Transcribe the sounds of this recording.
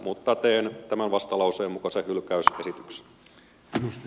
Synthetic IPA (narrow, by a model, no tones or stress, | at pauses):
mut̪ːɑt̪eːnt̪æmænʋɑst̪ɑlɑuseːmːukɑsehylkæysesit̪ykse̥n | nust̪